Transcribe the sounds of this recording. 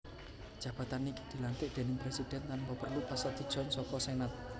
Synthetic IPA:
d̥ʒ̥ä̤b̥a̤t̪aniki̥d̪̥i̤lant̪ɪʔd̪̥e̤nɪŋpɾesid̪̥ɛ̤nt̪anbəpərlupasad̪̥i̤d̥ʒ̥ɔ̤nsɔkɔsenat̪̚

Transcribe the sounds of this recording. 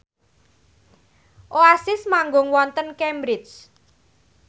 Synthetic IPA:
ʔoasɪsmaŋɡʊŋwɔnt̪ənkɛmbɾɪt͡ʃ

